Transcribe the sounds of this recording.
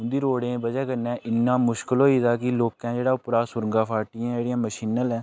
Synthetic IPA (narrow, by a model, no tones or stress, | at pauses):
ʊnd̪iːɾoːɽẽːbəd͡ʒɛːkəɾnɛ̃ːɪnːãːmʊʃkəlɦoːiːd̪aːkɪloːkɛ̃ːd͡ʒeːɽaːʊpɾaːsʊɾəŋɡaːpʰaːɾʈiːãːeːɽijãːməʃiːnəlɛ̃ː